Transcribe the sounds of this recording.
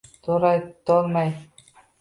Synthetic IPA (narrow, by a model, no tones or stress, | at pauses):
t̪uɾɑjt̪olˠmɑj